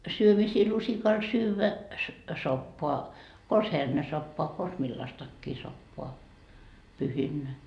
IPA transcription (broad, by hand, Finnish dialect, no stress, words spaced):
syømisiː lusikɑl syːʋæ sopːoɑ kons hernesopːoɑ kons milːɑstɑkːiː sopːoɑ pyhinːæ